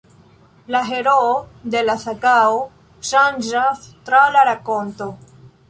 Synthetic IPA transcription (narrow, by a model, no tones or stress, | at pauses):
laɦe̞ɾoːde̞lasakao | ʃand͡ʒastɾalaɾako̞nto